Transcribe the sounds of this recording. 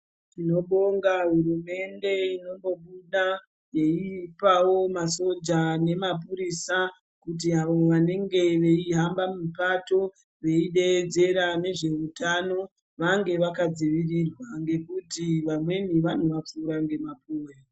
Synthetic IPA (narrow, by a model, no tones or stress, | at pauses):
ino̞ɓo̞ŋɡaɦurume̞nde̞ino̞mbo̞ɓuɗa | je̞ipawo̞maso̞d͡ʒane̞map̬uɾisa | kut̬iaʋo̞ʋane̞ŋɡe̞ʋe̞iɦambamipato̞ | ʋe̞iɗe̞ːd͡ze̞ɾane̞ʐe̞utʰano̞ | ʋaŋɡe̞ʋakad͡ziʋirirwaŋɡe̞kutiʋamwe̞niʋan̤uʋap͡fuːɾaŋɡe̞mapuːwe